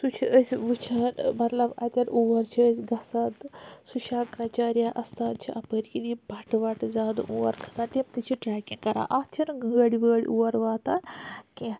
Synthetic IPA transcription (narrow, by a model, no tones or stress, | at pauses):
sut͡ʃʰiʔəsʲʋɨt͡ʃʰɐnmɐt̪lɐbɐ̰t̪ʲɐɾuʋɐɾt͡ʃʰiəsʲɡɐsat̪suʃakɾɐt͡ʃaːɾjaʔɐst̪aːt̪t͡ʃʰiʔɐpəɾkinibʱɐʈʋɐʈzaːd̪ṵʔuʋɐ̰ɾkʰɐ̥sant̪emt̪it͡ʃʰiʈaːkʲikɐɾã̰ʔɐst͡ʃʰinɡəɽiʋəːɽḭʔuʋɐɾʋaːt̪aːnke